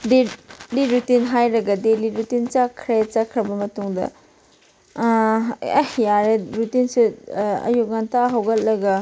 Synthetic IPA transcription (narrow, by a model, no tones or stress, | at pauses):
deliɾutinɦajɾɐɡɐdeliɾutint͡ʃakʰɾet͡ʃakʰɾɐbɐmɐtuŋdɐ̰ | jaɾeɾutinsuɐ̰juk̚ŋantaɦɐwɡɐt̚lɐɡɐ